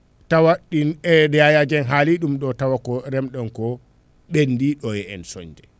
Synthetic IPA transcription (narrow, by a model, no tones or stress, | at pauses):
tawaɗinɛdajad͡ʒɛnɦaliɗumɗɔtawakɔɾɛmɗɔnkɔ | ɓendiɗɔjɛɛnsɔ̰ɲd͡ʒɛ